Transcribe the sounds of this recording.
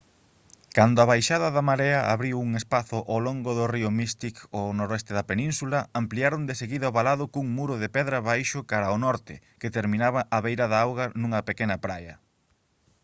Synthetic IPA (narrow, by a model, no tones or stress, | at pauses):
kand̪ʊaβajʃaðɐðamaɾeɐʔa̰βɾiwuŋespaθʊʔawloŋɡʊðʊriʊmist̪ikonoɾoɛst̪eðɐpenĩnsulɐampliaɾond̪eseɣiðɐoβalaðʊkuŋmuɾʊðepɛðɾɐβajʃʊkaɾaʊnɔɾt̪ɪ̰ | ket̪eɾmĩnaβaʔaβejɾɐðaawɣɐnũŋɐpekenɐpɾajɐ